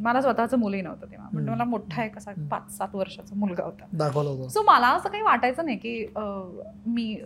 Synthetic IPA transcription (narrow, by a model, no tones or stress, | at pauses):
məlasʋət̪at͡səːmulinə̰ʋt̪ət̪iʋ̤a̰məɳd͡zeməlamoʈʰaekəsapat͡ssat̪ʋəɾʂat͡səmulɡʱa̰ɦot̪ad̪akʰəlɦot̪osoməlaəsəːkaɦiːʋaʈajt͡sənajkiːəmiː